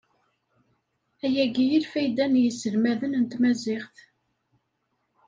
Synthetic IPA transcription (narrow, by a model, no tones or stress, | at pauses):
æjæɡijəɾfæjd̪ænjəsːəlmæðənənt̪mæzɪχθ